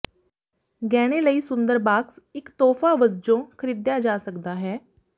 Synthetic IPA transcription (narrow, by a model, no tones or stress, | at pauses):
ɡɛːɽ̃eːləiːsʊ̃nd̪əɾbaːksɪkt̪ɔːfʰaːʋəzd͡ʒõːkʰəɾiːd̪jaːd͡ʒaːsəkd̪aːɦɛː